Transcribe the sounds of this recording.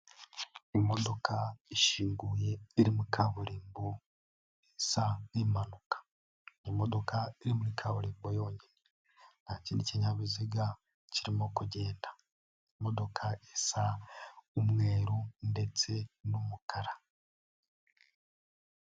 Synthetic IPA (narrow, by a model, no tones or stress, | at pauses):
imo̞do̞kʰaiʃiːŋɡuje̞iɾimuikʰaβuɾiːmbo | esaimanukḁ | imodo̞kʰaiɾimuikʰaβuɾiːmbojo̞ːɲine | naciːndiceɲaβiziɡa | ciɾimokuɟe̞ːndḁ | imo̞do̞kʰaesa | umŋe̞ːɾunde̞t͡se̞numukʰaɾa